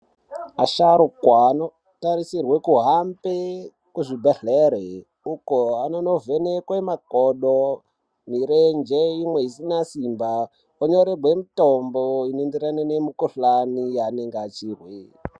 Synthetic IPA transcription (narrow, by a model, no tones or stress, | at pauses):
aʃaɾokwano | taɾisirwe̞kuɦampe | kuʐibʱeɬeɾe | ukoanono̞venekwemakoɗo | miɾend͡ʒeimwe̞isinasimba | oɲoɾeɡwemitomboinendiɾananemukoɬanijaneŋɡat͡ʃirwi